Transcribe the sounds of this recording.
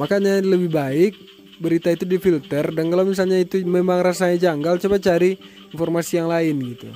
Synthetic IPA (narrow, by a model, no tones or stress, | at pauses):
makaɲaləbɪhbaɪk̚ | bəɾit̪ait̪udifilt̪ərdankalamis̬alɲait̪umemaŋrasaɲad͡ʒaŋɡalt͡ʃabat͡ʃaɾi | infɔrmasijaŋlaɪnɡit̪u